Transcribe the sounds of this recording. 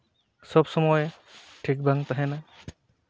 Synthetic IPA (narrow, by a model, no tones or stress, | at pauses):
sɔbsɔmɔj | ʈʰik̚bʱaŋt̪aɦɛnaj